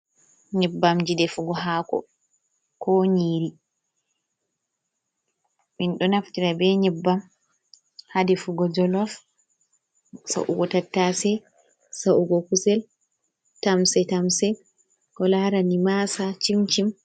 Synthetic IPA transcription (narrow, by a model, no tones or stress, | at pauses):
ɲɛbːamd͡ʒidɛfuɡɔɦaːkɔ̰ | kɔɲiːɾi | minɗɔnaftiɾabɛɲɛbːam | hadɛfuɡɔd͡ʒɔlɔf | sa̰ʔṵɡɔtatːasɛ | sauɡɔkusɛl | tamsɛtamsɛ | kɔlaɾanimasat͡ʃimt͡ʃim